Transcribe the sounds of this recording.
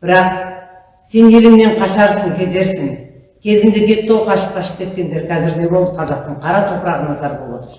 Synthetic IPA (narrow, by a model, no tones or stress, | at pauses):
b̥ɪɾɑq | se̞nje̞lɪmne̞ɴqʰɑʃɑʁəsɪnkʲʰe̞d̪e̞ɾsɪŋ | kʲʰe̞zɪnd̪e̞bʲe̞t̪ːowqʰɑʃə̥p̚qʰɑʃə̥p̚kʲe̞t̪̚kʲe̞nd̪e̞ɾkʲʰæzɪɾd̪e̞bo̞lˠd̪əqʰɑzɑq̚t̪əɴqʰɑɾɑt̪ʰo̞pɾɑʁənɑzɑɾbolˠɑ̰d̪ə